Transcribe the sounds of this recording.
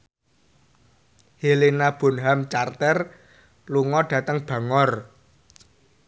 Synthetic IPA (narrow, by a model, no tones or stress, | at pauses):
hilinab̥o̤nɦamt͡ʃart̪ɛr | luŋɔɖ̥ä̤t̪əŋb̥ä̤ŋɔr